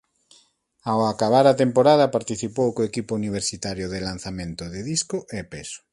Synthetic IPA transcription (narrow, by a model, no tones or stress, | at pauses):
awakaβ̞aɾat̪empoɾað̞ɐpaɾt̪iθipowkoekipouniβ̞eɾsit̪aɾjoðɪlan̟θamẽnt̪ʊðeðiskoʔepeso̥